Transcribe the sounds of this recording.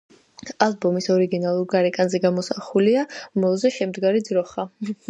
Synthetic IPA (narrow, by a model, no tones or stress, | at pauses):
azbɔmisɔɾiɡinalˠuɾɡaɾɛkʼanzɛɡamɔsaχuliamɔlˠzɛʃɛmd̪ɡaɾid̪zɾɔχa